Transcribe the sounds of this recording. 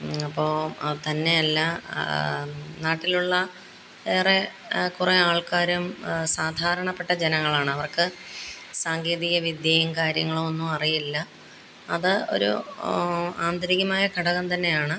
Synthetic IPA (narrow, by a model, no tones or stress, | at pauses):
ɐpːo̞ːt̪ɐnːe̞ɐlːɐ | naːʈːiluɭːɐ | eːre | kureaːɭkaːɾumsaːd̪ʱaːɾɐɳɐpːe̞ʈːɐd͡ʑenɐŋːɐɭaːɳɨɐʋɐrkɨsaːŋɡeːðiɣɐʋid̪jeːjumkaːɾjɐŋːɐɭumo̞nːumɐrijilːɐ | ɐ̰ðɨo̞̰ɾṵ | aːnd̪ɐɾiɣɐmaːjɐkɐɽɐɣɐmt̪ɐnːe̞jaːɳɨ